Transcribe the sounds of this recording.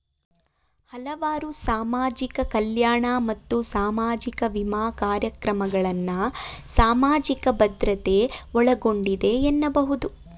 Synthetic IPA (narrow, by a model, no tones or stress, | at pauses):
hɐlɐʋaːɾusaːmaːd͡ʒikɐkɐljaːɳamɐt̪ːusaːmaːd͡ʒikɐʋimaːkaːɾjɐkɾɐmɐɡɐɭɐnːɐsaːmaːd͡ʒikɐbɐd̪ɾɐt̪e̞ɔɭɐɡo̞ɳɖid̪e̞enːɐbɐɦud̪u